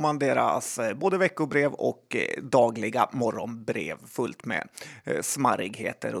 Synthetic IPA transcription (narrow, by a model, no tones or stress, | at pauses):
mand̪eːɾa̰sboːd̪əvɛkːʊbɾeːvɔ̰kd̪ɑːɡlɪɡamɔɾɔnbɾḛːvfɵlt̪mɛ̰smaɾɪɡheːt̪ə̰ɾɔ